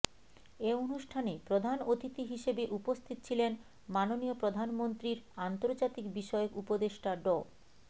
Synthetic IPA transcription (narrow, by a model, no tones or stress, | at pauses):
eonuʃʈʰanepɾod̪ʱanot̪it̪iɦiʃebeʔupost̪ʰit̪ot͡ɕʰilen | manoniopɾod̪ʱanmont̪ɾiɾant̪oɾd͡ʑat̪ikbiʃɔeokupod̪eʃʈaɖo